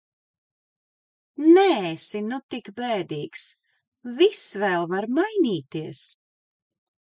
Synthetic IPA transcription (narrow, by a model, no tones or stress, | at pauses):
nɛsinut̪ikbɛːd̪iːks | visvɛːlˠvaɾmajniːt̪iɛs